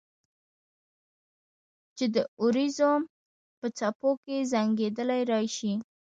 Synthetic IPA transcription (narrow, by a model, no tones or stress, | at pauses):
t͡ʃed̪əʊɾizom | pət͡sapokezaŋɡed̪əlajɾɑjʃi